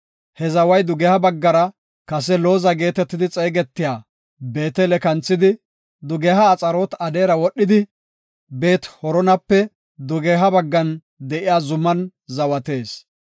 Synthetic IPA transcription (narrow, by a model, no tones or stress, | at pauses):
hɛzɐwɐjd̪ʊɡɛhɐbɐɡːɐɾɐ | kɐs̬ɛlo̞ːzɐɡe̞ːt̪ɛt̪ːɪd̪ɪt͡sʼeːɡɛt̪ːɪjaː | be̞ːt̪ɛlɛkɐnt͡sːɪd̪ɪ | d̪ʊɡɛɦɐːt͡sʼɐɾoːt̪ɐd̪e̞ːɾɐwɔɗːɪd̪ɪ | be̞ːt̪hɔɾɔnɐpːɛ | d̪ʊɡeɦɐbɐɡːɐn | d̪ɛʔɪjaːzʊmːɐnzɐwɐt̪e̞ːs